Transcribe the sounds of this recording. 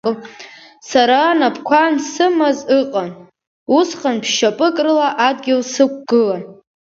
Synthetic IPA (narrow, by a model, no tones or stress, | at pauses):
saɾanapʰkʷʰansɨmazɨqʼan | usχanpʰʃʃapʼɨkʼrɨlaʔadɡʲɪlsɨk̚ʷɡ̥ɨlan